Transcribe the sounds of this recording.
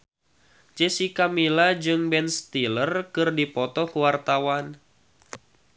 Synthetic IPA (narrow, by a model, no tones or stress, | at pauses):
t͡ʃɛsikamilad͡ʒɨŋbɛnst̪ilərkɨrdipɔt̪ɔkuwart̪awan